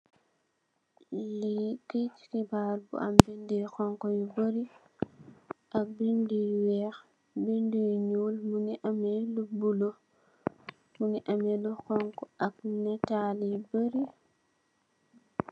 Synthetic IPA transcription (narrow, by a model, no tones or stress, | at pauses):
likit͡ʃkibaːlbṵʔambindixɔŋkɔjubəɾi | ʔak̚bindujwɛx | bindujɲuːlmuniʔamɛlubulo | muniʔamɛluxɔŋkɔak̚nɛtalibəɾi